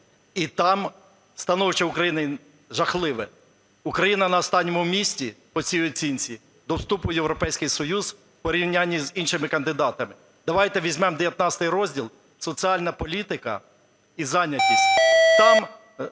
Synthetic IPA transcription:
it̪ɑm | st̪ɐnɔwɪt͡ʃɛʊkɾɐjinɐ | ʒɐxlˠɪʋɛ | ukɾɐjinɐnɐɔst̪ɑnʲːɔmʊmʲisʲtʲipɔt͡sʲijɔt͡sʲinʲt͡sʲi | d̪ɔwst̪upʊjewɾɔpɛjsʲkɪjsɔjuz̥ | pɔɾʲiwnʲanʲːizinʃɪmɪkɐnd̪ɪd̪ɑt̪ɐmɪ | d̪ɐʋɑjt̪ɛʋʲizʲmɛmd̪eʋʲjɐt̪nɑt͡sʲsʲt̪ɪjɾɔzʲdʲilˠ | sɔt͡sʲiɑlʲnɐpɔlʲit̪ɪkɐ̰ | izɑnʲɐtʲisʲtʲt̪ɑm

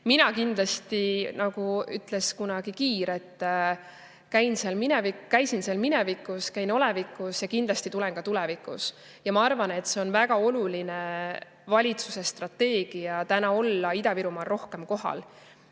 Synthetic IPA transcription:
minɑkind̪lɑst̪inɑɡ̥uyt̪ˑle̞skunɑɡ̥ikiːɾe̞t̪ː | kæjnseɑlminevikkæjsinselminevikːˑuskæjno̞le̞vikːˑusjɑkind̪lɑst̪it̪ule̞nkɑt̪ulɛvikˑṵs | jɑmɑɑrvɑne̞t̪ːˑse̞onvæɡ̥ɑo̞luline | vɑlʲit̪su̥se̞st̪rɑt̪ːe̞ːɡ̥ijɑt̪ænɑo̞lːɑid̪ɑviɾumɑːlro̞hke̞mko̞ɦɑ̰l

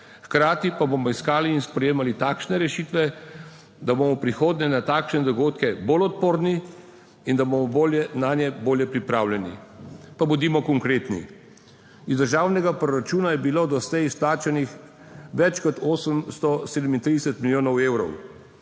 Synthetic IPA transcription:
xkɾaːt̪ipabomɔiskaːliːnspɾɛjeːmalit̪aːkʃnɛɾɛʃiːt̪ʋɛ | d̪aboːmɔpɾixoːd̪nɛnat̪aːkʃnɛd̪ɔɡoːt̪kɛbolɔt̪̚poːɾni | ind̪abomɔboljɛnaːnjɛboːljɛpɾipɾawljɛnḭpabud̪iːmɔkɔŋkɾeːt̪nḭ | izd̪əɾʒaːwnɛɡapɾɔɾat͡ʃuːnajɛbiloːd̪ɔslɛjisplaːt͡ʃanix | ʋɛt͡ʃkɔt̪oːsəmst̪ɔseːd̪əmint̪ɾid̪ɛsət̪miljoːnɔweːwɾɔ̰w

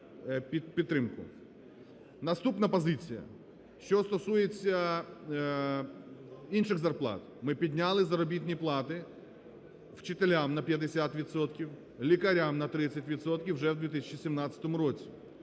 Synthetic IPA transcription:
pʲipʲit̪ːɾɪmkʊ̰ | nɐst̪upnɐpɔzɪt͡sʲijɐ̰ | ʃt͡ʃɔst̪ɔsujet͡sʲːɐ | inʃɪɣzɐrplˠɑ̰t̪ | mɪpʲid̪ʲnʲalˠɪzɐɾɔbʲit̪ʲnʲiplˠɑt̪ɪ | w̥t͡ʃɪt̪elʲamnɐpʲjɐd̪esʲat̪ʋʲit̪sɔt̪kʲiw | lʲikɐɾʲamnɐt̪ɾɪt͡sʲːɐtʲʋʲit̪sɔt̪̚kʲiwʒɛwd̪ʋʲit̪ɪsʲt͡ʃisʲimnɑt͡sʲɐ̥t̪ɔmʊɾɔt͡sʲi

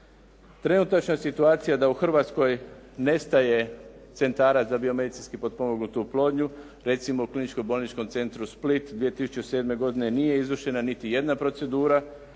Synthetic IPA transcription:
t̪ɾe̞nut̪at͡ʃnasit̪uaːt̪sijad̪auxr̩ʋaːt̪sko̞jne̞st̪aje̞t̪se̞nt̪aːɾat̪zabio̞me̞d̪it̪sinskipo̞d̪̚po̞moɡnut̪uplˠo̞ːd̪ɲu | ɾe̞t̪simouklinit͡ʃko̞bolnit͡ʃko̞mt̪se̞nt̪ɾusplit̪d̪ʋije̞t̪isu̥t͡ʃe̞se̞ːd̪me̞ɡo̞d̪ine̞nije̞izʋrʃe̞nanit̪ije̞d̪napɾo̞tse̞d̪uːɾa

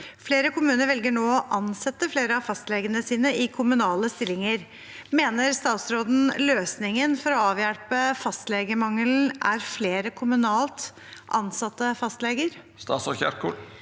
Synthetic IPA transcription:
fleːɾəkʰʊmʉːnəɾʋɛlɡəɳoːɔʔɑnsɛt̪ːəfleːɾəɑfɑst̪lɛːɡənəsiːnəɪkʰʊmʉnɑːləst̪ɪlːɪŋəɾ | meːnəɾst̪ɑːt̪sɾoːd̪n̩løːsnɪŋənfɔɾɔɑːʋjælpəfɑst̪leːɡəmɑŋəln̩ʔæɾfleːɾəkʰʊmʉnɑːlt̪ | ʔɑnsɑt̪ːəfɑst̪lɛːɡəɾ | st̪ɑ̰ːt̪sɔçæ̰ɾkʰuʈ

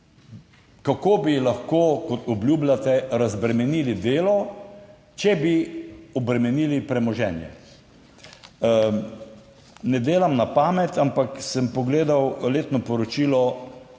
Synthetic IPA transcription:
kakoːbilaxkoːkɔt̪ɔbljublʲjat̪ɛɾazbɾɛmɛniːlid̪eːlɔ | t͡ʃɛbiɔbɾɛmɛniːlipɾɛmɔʒɛːnjɛ̰ | nɛd̪eːlamnapaːmɛt̪ampaksəmpɔɡleːd̪awleːt̪nɔpɔɾɔt͡ʃiːlɔ

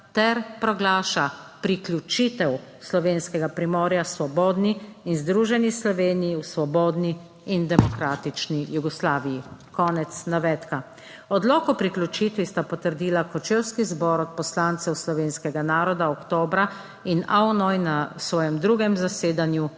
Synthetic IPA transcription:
t̪ɛɾpɾɔɡlaːʃapɾiklʲut͡ʃit̪ɛwslɔʋeːnskɛɡapɾimɔːɾjasʋɔbɔːd̪niːnzd̪ɾuːʒɛnislɔʋeːnijiwsʋɔbɔːd̪niː | nd̪ɛmɔkɾaːt̪it͡ʃnijuɡɔslaːʋijikɔːnɛt̪snaʋɛːt̪ka | ɔd̪lɔːkɔpɾikljut͡ʃiːt̪ʋist̪apɔt̪əɾd̪iːlakɔt͡ʃewskizbɔɾɔt̪̚pɔslaːnt̪sɛwslɔʋeːnskɛɡanaːɾɔd̪aɔkt̪oːbɾa | inaɔnɔjnasʋɔːjɛmd̪ɾuːɡɛmzaseːd̪anju

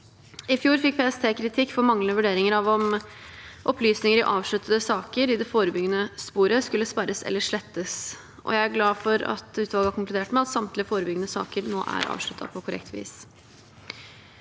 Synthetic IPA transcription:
ɪfjuːɾfɪk̚ːpʰeːɛst̪ʰeːkʰɾɪt̪ʰɪkːfɔɾmɑŋːəʋʉɖeːɾɪŋəɾɑʋɔm | ʔɔplyːsnɪŋəɾɪʔɑːʋʂɭʉt̪ːəd̪əsɑːkəɾɪd̪ɛfoːɾəbʏɡənəspuːɾəskʉlːəspɑɾəsɛ̰lːəʂɭɛt̪ːəs | ʔɔ̰jæɪæɾɡlɑːfɔɾɑ̰t̪ʉːt̪ʋɑlɡəɑɾkʰʊŋkld̪eːʈmɛɑt̪sɑmt̪lɪəfoːɾəbʏɡənəsɑ̰ːkəɾno̰ːʔæ̰ɾɑ̰ːʋʂɭʉt̪ʰːɑ̰pʰɔkʰʊɾɛ̰kt̪ʰʋḭːs

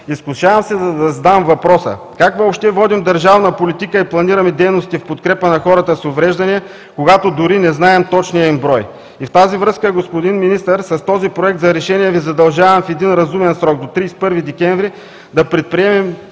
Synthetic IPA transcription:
isklˠʊʃavɐmsɛzɐd̪ɐzd̪amvɐpɾɔsə̰ | kakvəopʃt̪ɛvɔd̪imd̪ɐɾʒavnəpolit̪ikəiplˠɐniɾɐmɛd̪ɛjnost̪ifpot̪kɾɛpənɐxɔɾɐt̪əsovɾɛʒd̪ɐniɛ | koɡat̪od̪ʊɾinɛznaɛmt̪ɔt͡ʃniəimbɾɔj | ift̪azivɾɤskəɡospod̪inminist̪əɾsɐst̪ɔzipɾoɛk̚t̪zɐɾɛʃɛniɛvizɐd̪ɐlˠʒavɐmfɛd̪inɾɐzumɛnsɾɔk̚d̪ot̪ɾijspɤɾvid̪ɛkʲɛɱvɾi | d̪ɐpɾɛt̪̚pɾiɛmɛm

